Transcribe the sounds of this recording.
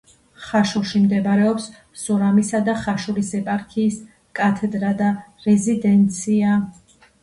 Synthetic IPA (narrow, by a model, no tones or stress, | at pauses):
χaʃulˠʃimd̪ɛbɾɛɔps | sɔɾamisad̪aχaʃuɾisɛpʼaɾkʰiːs | kʼat̪ʰɛd̪ɾad̪aɾɛzid̪ɛnt̪sʰia